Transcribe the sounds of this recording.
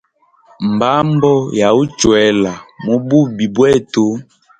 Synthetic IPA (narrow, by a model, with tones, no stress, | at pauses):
m˨ba˦mbɔ˦ja˨u˦t͡ʃwɛ˨la˨mo˦bu˦˨bi˨bwɛ˦˨to˦